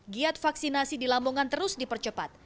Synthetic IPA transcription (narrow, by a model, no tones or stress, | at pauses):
ɡiat̪̚faksinasidilamoŋant̪əɾʊsdipərt͡ʃəpat̪̚